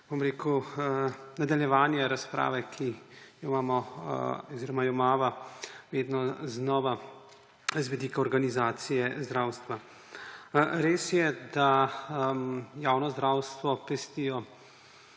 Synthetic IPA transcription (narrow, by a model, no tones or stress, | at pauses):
bomɾeːku | nad̪aljɛʋaːnjɛɾaspɾa̰ːʋɛkʰijɔmaːmɔ | ɔziɾɔmajɔmaːʋaʋeːd̪nɔznɔːʋa | zʋɛd̪iːkaɔɾɡanizaːt̪sijɛzd̪ɾaːwst̪ʋa | ɾeːsjɛd̪amjaːwnɔzd̪ɾaːwst̪ʋɔpɛst̪ijɔ